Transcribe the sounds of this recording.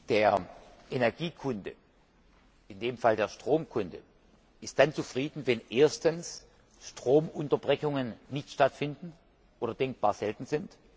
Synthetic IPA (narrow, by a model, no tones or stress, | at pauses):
d̥eːɐʔenɛɐɡiːkʰʊndə̰ | ɪndeːmfaldeːɐʃtʁ̥oːmkʰʊndə̰ | ɪst̚d̥ant͡sufʁ̥iːdn̩vɛnʔeːɐstəns | ʃtʁ̥oːmʔʊntɐbʁɛçʊŋənnɪçtʃtatfɪndn̩ | ʔoːɾɐdɛŋk̚b̥aːɐzɛltn̩zɪnt